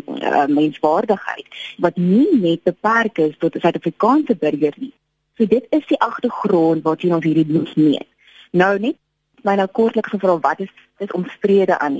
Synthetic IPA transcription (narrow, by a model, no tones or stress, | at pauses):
ə̰mːɛnsvɑːrdəχɦə̰jtvɐtninɛt̚bəpærkəstɔtəsœɥtɐfrikɑːnsəbəriərni | suədətəsdiʔɐχtəχrɔntvɑːtʰiənɔ̃nsɦiːrɾimutniən | nəwnɛt | mɛjnɑkɔrtləksəfrɑːvɐtəs | dəsɔmspriədəʔɐ̰ni